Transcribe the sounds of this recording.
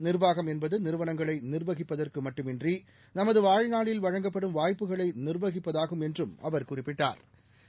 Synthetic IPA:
nɪrʋaːɣɐmɛnbɐðɯnɪɾɯʋɐɳɐŋɡɐɭɐɪnɪrʋɐɣɪpːɐðɐrkɯmɐʈːɯmɪndri | nɐmɐðɯʋaːɻnaːɭɪlʋɐɻɐŋɡɐpːɐɽɯmʋaːjpːɯɣɐɭɐɪnɪrʋɐɣɪpːɐðaːɣɯmɛndrɯmɐ̰ʋɐɾkʊrɪpːɪʈːa̰ːɾ

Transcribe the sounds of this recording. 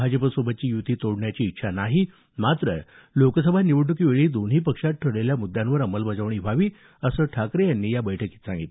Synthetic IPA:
bʱad͡zəpəsobʱət̪̚ːt͡ɕiːjut̪iːt̪oɽɳjat͡ɕiːt̪ːɕʰanaɦi | mat̪ɾə | lokəsəbʱaniʋəɽɳukiːʋeɭiːd̪onɦiːpəkʂat̪̚ʈʰəɽɭeljamud̪ːjãnʋəɾəməlbəd͡zəʋɳiːʋʱaʋiː | əsəːʈʰakɾejanːiːjabəjʈʰəkiːt̪sãŋɡit̪l

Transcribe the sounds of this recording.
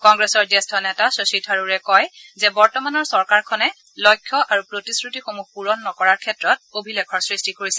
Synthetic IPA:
kɔŋɡɹɛsɔɹdɛstʰɔnɛtasositʰaɹuɹɛkɔjzɛbɔɹtɔmanɔɹsɔɹkaɹkʰɔnɛ | lɔjkʰːjɔʔaɹupɹotiskɹutixomuxpuɹɔnːɔkɔɹaɹkʰɛtɹɔt̚obʱilekʰɔɹsɹistikoɹisɛ

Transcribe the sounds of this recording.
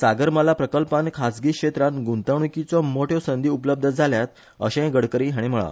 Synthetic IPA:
saɡəɾməlapɾəkəlpankʰasɡiːkɕet̪ɾãnɡunt̪ãukit͡sɔmoʈʰjɔsənd̪ʱiupləb̚d̪ʱəd͡zʱaljat̪ | ə̰ɕẽɡəɽkəɾĩɦaɽ̃im̤əɭa̰

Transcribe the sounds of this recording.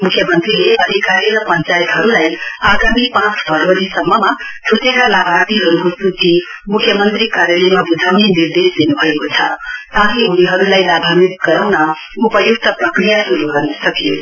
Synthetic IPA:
mukʰjʌmʌnt̪rileʌd̪ʱikaɾiɾʌpʌnt͡sajet̪ɦʌɾulajaɡamipãt͡sbʱʌɾʋʌɾisʌmːʌma | tʰut̪ekalabʱat̪iɦʌɾukosuti | mukʰjʌmʌnt̪ɾikaɾjalemabud̪ʱawneniɾd̪esd̪inubʱʌekot͡sʰʌt̪ãɦiuniɦʌɾulajlabʱamit̪̚ɡʌɾawnʌ | upʌjuk̚t̪ʌprʌkɾijasuɾuɡʌrnisʌkjo̰

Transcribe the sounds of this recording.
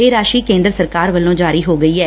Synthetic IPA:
eːɾaːʃiːkẽːnd̪ɾəsəɾkaːɾʋəlːõːd͡ʒaːɾiːɦoːɡəiːɛː

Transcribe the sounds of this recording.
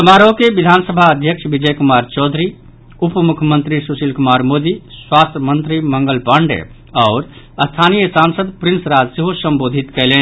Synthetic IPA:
sɐmaːɾokebid̪ʱaːnsəbʱaəd̪ʱjəkʃʋid͡ʒəjkʊmaːɾt͡ʃɔːd̪ʱɾi | ʊpmukʰəmə̃nt̪ɾisusilkʊmaːɾmoːd̪iswaːst̪ʰəmənt̪ɾimə̃ŋɡəlpəɳɖḛ | ɔːɾ | əst̪ʰanijəsãːnsəd̪pɾɪnsɾad͡ʒseɦosəmboːd̪ʱit̪kɛɦlẽːn

